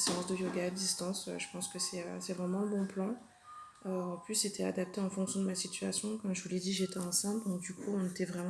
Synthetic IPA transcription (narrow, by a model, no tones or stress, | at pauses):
seɑ̃sd̪əjoɡaːd̪ist̪ɑ̃sø̰ʒəpɑ̃skəsɛø̰sɛvʁɛmɑ̃ɛ̃bɔ̃plɑ̃ | øɑ̃plyset̪ʰɛa̰d̪ap̚t̪eɑ̃fɔ̃ŋksjɔ̃d̪əmasit̪ɥyasjɔ̃kɔɑmʒəvulɛd̪iʒet̪ɛɛ̃sɛ̃d̪ɔ̃k̚d̪ykuɔ̃net̪ɛvʁɛm̃